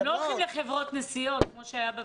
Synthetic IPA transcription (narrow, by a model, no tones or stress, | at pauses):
lolχimleχevʁot̪nesijo̞t̪̚kmo̞ʃeajabe